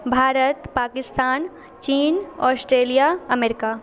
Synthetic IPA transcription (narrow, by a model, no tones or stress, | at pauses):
bʱaːɾət̪paːkɪst̪aːn | t͡ʃiːnɔːsʈɾeːlijaɐmeːɾɪkaː